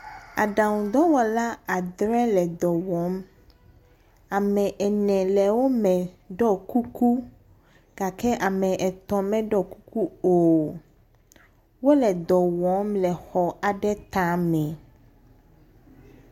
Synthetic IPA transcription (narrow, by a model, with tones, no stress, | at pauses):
a˨ɖa˨wũ˨d̪ɔ˦wɔ˨la˦a˨d̪ɾɛ˦lɛ˨d̪ɔ˨wɔ˨˦m | a˨mɛ̃˨ʔɛ˨nɛ̃˨lɛ˨wo˦mɛ̃˨ | ɖɔ˦ku˦ku˦ | ɡ̥a˨kɛ˦ʔa˨mɛ̃˨ʔɛ˨t̪ɔ̃˨mɛ̃˦ɖɔ˦ku˦ku˦o˨ | wo˦lɛ˨d̪ɔ˨wɔ˨˦mlɛ˨xɔ˨a˨ɖɛ˦t̪ã˦mɛ̃˨